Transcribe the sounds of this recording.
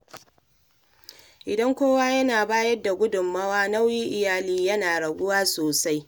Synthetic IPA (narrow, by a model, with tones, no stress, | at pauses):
ʔɪ˨dɐ˦ŋkʷoː˦waː˦jɐ˦naː˨baː˦jɐ˦dːa˨ɡʷʊ˦dʊ˨mːɐ˦waː˦na˦wji˦ʔɪ˨jaː˨liː˦jɐ˦naː˨ɽɐ˨ɡʷʊ˦waː˦soː˨sa˦j